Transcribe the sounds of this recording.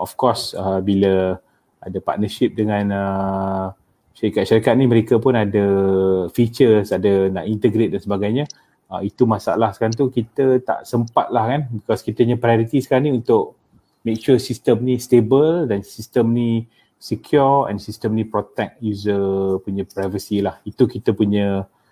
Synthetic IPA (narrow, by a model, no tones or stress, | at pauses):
ɔfkɔsəbilə | a̰dapa̰t̪̚nəʃip̚dəŋãnə | ʃaɾikat̪̚ʃaɾikat̪̚niməɾekapʊnadəfit͡ʃəsadana̰ʔint̪əɡɾet̪̚dansəbaɡajɲa | ait̪umasa̰a̰lahsə̥kaɾaŋt̪̬ukit̪ət̪a̰ʔsəmpa̰t̪̚lahkanbikɔskit̪əiɲə̃pɾajoɾit̪isə̥kaɾaŋniunt̪ʊʔ̚ | mek̚ʃusist̪əmnist̪ebəldansist̪əmni | sekʰjɔɹɛ̰̃nsist̪əmnipɾot̪ɛk̚juzəpuɲə̃pɾajvəsilahit̪ukit̪əpuɲə̃